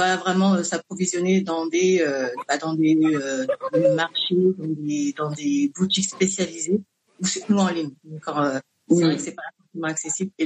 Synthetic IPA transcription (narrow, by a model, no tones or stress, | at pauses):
vwalavʁɛmɑ̃øsapχɔvizjɔned̪ɑ̃d̪eøbad̪ɑ̃d̪eød̪ɑ̃d̪emaʁʃed̪ɑ̃d̪ed̪ɑ̃d̪ebut̪ikspesjalize | usit̪nuɑ̃liɲd̪̃kɑ̃ʁø | sɛvʁɛksɛpaasɔ̃timɑ̃aksesible